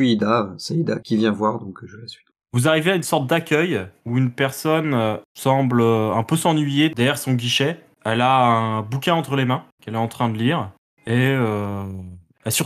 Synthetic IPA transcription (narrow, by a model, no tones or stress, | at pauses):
id̪asɛid̪akʲivjɛ̃vwaʁd̪ɔ̃kʒəlasi | vuzaʁiveaynsɔʁt̪̚d̪akʲʰœjuynpɛʁsɔnøsɑ̃bløɛ̃pøsɑ̃nɥijed̪ɛʁjɛʁsɔ̃ɡʲiʃɛ | ɛlaɛ̃bukʲɛ̃ɑ̃t̪χəlemɛ̃kɛlɛɑ̃t̪χɛ̃d̪əliːʁ | eø | ɛsyʁ